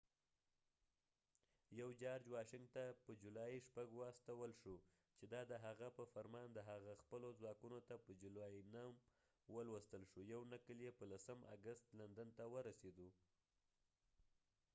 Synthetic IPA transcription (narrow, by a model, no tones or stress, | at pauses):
jawd͡ʒɑɾd͡ʒwɑʃɪŋɡt̪apəd͡ʒulɑiʃpaɡwast̪awəlʃu | t͡ʃed̪ɑd̪əɦaɣapəfaɾmɑnd̪əɦaɣaxpəlozwɑkunot̪apəd͡ʒulɑjinam | wəlwəst̪əlʃujawnakəljepəlasəma̰ɡəst̪land̪ant̪awəɾased̪u